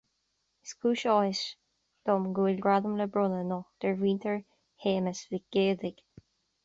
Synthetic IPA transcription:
ɪskʰuːʃɔhɪʃ | d̪̥ɔmɡuːɪlɡɹaðəmləbɹʊnənɔd̪̥ɛɹwiːnt̪ʰəɹ | heːməsviɡ̥eːd̪ɪɡ̥

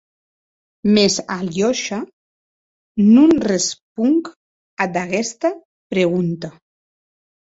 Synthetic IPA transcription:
mezaljoʃa | nunresp̚uŋk | ad̪aɣɛst̪a | pɾeɣunt̪a

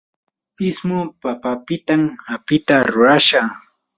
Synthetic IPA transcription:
ɪsmʊpapapɪt̪amhapɪt̪aɾʊɾaʃa

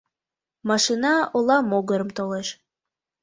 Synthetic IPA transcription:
mɑʃinɑolˠɑmoɡəɾəmt̪oleʃ

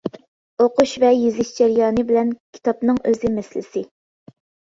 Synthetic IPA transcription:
oquʃvɛjizɪʃd͡ʒɛɾjɑːnɨbɪlɛnkʲʰi̥t̪ʰɑpnɨŋøzɪmɛslɪ̰sɪ

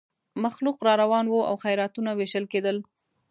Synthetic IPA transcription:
maxluqɾɑɾawɑnwoa̰wxajɾɑt̪unaweʃəlked̪əl

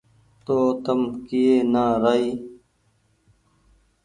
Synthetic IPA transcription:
t̪oːt̪ɐmkijeːnaːɾaiː

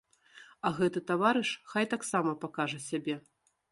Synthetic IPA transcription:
ɐɣɛt̪ɨt̪avaɾɨʂxajt̪aksamɐpakaʐɐsʲabʲɛ

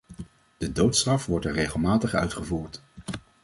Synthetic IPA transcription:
d̥ədowtstrɑfʋɔɹtɛɹrejχəlˠmaːtəχœ̰ɥtχəvuːɹt

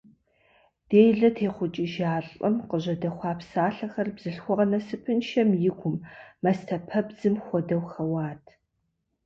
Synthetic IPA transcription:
d̥eːjɮɐtʰeːχʷʊt͡ʃʼɪʒaːɬʼɐmqəʑɐdɐχʷɑːpsaːɬɐxɐrbz̥ɨɬxʷɔʁɐnɐsɨpʰɨnʃɐmjɪɡʷʊmːɐstʰɐpʰɐbzɨmxʷɔdɐwxɐwaːtʰ

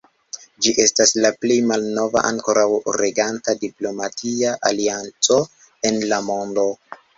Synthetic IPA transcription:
d͡ʒiʔe̞staslaplejmalno̞va̰ʔa̰ŋko̞ɾawɾeɡantadiplo̞matʰiaʔaliant͡so̞ | e̞nlamo̞ndo̞

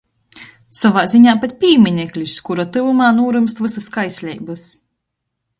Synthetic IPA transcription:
sɔvaːzʲiɲʲaːpat̪̚ʲpʲiːmʲinʲɛklʲiskuɾat̪ɨvumaːnuɔɾɨmst̪vɨsɨskajsʲlʲɛjbɨs

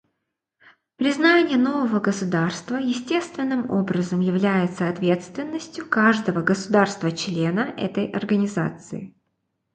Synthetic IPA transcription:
pɾʲɪznanʲɪjəno̞vəvəɡəsʊd̪arst̪vəjɪsʲtʲe̞st̪vʲɪnːɨmo̞̰bɾəzəmjɪvlʲæjɪt̪səɐt̪vʲe̞t̪st̪vʲɪnːəsʲtʲjʊkaʐd̪əvəɡəsʊd̪arst̪vət͡ɕlʲe̞nəʔɛ̰t̪əjʔɐ̰rɡənʲɪza̰t̪sɨ̰ɪ

